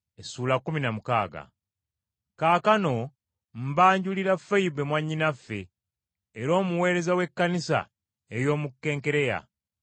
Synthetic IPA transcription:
esuːlakːuminamukaːɡa̰ | kaːkano̞ | m̩baːɲɟuliɾafaibe̞mwaɲːinafːe̞ː | ɾo̞ːmuwe̞ːɾe̞zawe̞kːanisa̰ | ejo̞ːmukːe̞ːŋke̞ɾe̞ja̰

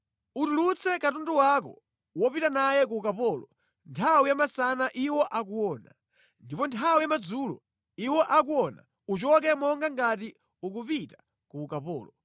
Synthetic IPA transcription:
utulut͡sʰɛkatuntuwakɔ̰ | wɔpitanajɛkuːkapɔːlɔ̰ | ntʰawijamasanaʔiwɔʔak̬uwɔːna̰ | ndipɔntʰawijamad͡zuːlɔ | iwɔʔakuwɔna̰ | ut͡ʃɔk̬ɛmɔŋɡaŋɡati | ukupitḁ | kuːkapɔːlɔ

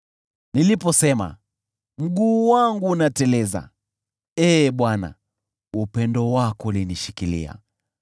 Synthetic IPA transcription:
nilipɔsɛma̰ | m̩ɠuːwaŋɡuːnatɛlɛza̰ | ɛːɓwana̰ | upɛndɔwakɔuliniʃikilḭa̰

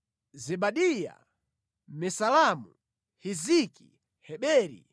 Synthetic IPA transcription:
zɛɓaɗija̰ | mɛsalamu | hiziki | hɛɓɛːɾḭ

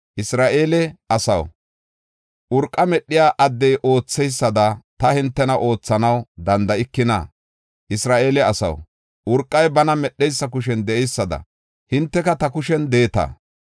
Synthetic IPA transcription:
ʔɪsɾaːʔeːlɛʔɐsɐw | ʔʊɾkʼːɐmɛɗːɪjaːʔɐd̪ːɛjʔo̞ːt͡sːɛjsːɐd̪ɐt̪ɐhɪnt̪ːɛnɐʔo̞ːt͡sːɐnɐwd̪ɐnd̪ɐɪkːɪnɐ̰ | ʔɪsɾaːʔe̞ːlɛɐsɐ̰w | ʔʊɾkʼːɐjbɐnɐmɛɗːɛjsːɐkʊʃɛnd̪ɛʔɛjsːɐd̪ɐ̰ | hɪnt̪ːɛkɐt̪ɐkʊʃɛnd̪eːt̪ɐ̰ː

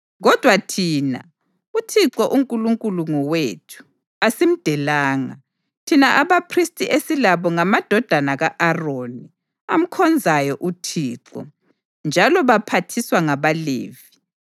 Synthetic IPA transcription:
ɣɔd̥ʱwatʰiːna̰ | utʰiǀɔʔuŋkʼuluŋkʼuluŋɔwetʰu̥ | asim̩d̥ʱɛlaːŋa̰ | tʰinaʔaβapʰristʼiʔesilaβɔŋamad̥ʱɔd̥ʱanaɣaʔaroni | am̩kʰɔnd͡zʱajɔʔutʰiːǁɔ̰ | nd͡ʒʱalɔβapʰatʰiswaŋaβalḛːvi

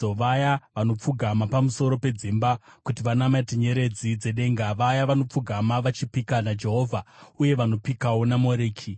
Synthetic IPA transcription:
oʋajaʋano̞p͡fuɡʱamapamuso̞ɾo̞pe̞d͡zimbakutiʋanamatiɲe̞ɾe̞d͡zid͡ze̞ɗe̞ːŋɡaʋajaʋano̞p͡fuɡʱamaʋat͡ʃipikanad͡ʒe̞ɦo̞ːvʱauje̞ʋano̞pikawo̞namo̞ɾeːkʰi

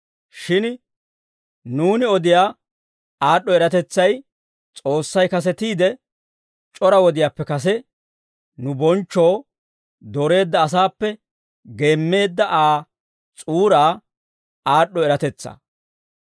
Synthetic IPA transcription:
ʃɪn | nuːnɪɔd̪ɪjaː | aːɗːɔɛɾɐt̪ɛt͡sːɐj | t͡sʼo̞ːsːɐjkɐs̬ɛt̪iːd̪ɛ | t͡ʃʼɔɾɐwɔd̪ɪjaːpːɛkɐs̬ɛ | nʊbɔnt͡ʃːoː | d̪ɔɾe̞ːd̪ːɐːs̬aːpːɛ | ɡe̞ːmːe̞ːd̪ːɐʔaː | t͡sʼuːɾaː | aːɗːɔɛɾɐt̪ɛt͡sːa̰ː

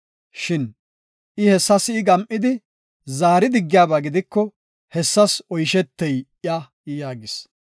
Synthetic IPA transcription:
ʃɪn | ʔɪhɛsːɐsːɡɐmʔɪd̪ɪ | zaːɾɪd̪ɪɡːɪjaːbaɡɪd̪ɪkːɔ | hɛsːɐsɔjʃɛt̪ːɛjɪjɐ | jaːɡɪs

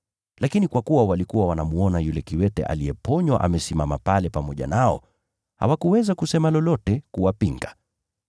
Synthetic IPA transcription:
lakinikwakuwawalikuwawanamuɔnajulɛkiwɛtɛ̰ʔa̰liɛpɔɲwa̰ʔa̰mɛsimamapalɛpamɔʄa̰naɔ̰ | ha̰wakuwɛzakusɛmalɔlɔtɛkuwapiŋɡa

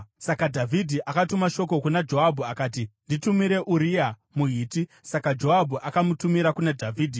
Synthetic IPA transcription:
sakadʱavʱidʱiʔakatumaʃo̞ko̞kunad͡ʒo̞ɦabʱuakaːtinditumiɾe̞ʔuɾija | muɦiːtisakad͡ʒo̞ɦabʱuʔakamutumiɾakunadʱavʱiːdʱi

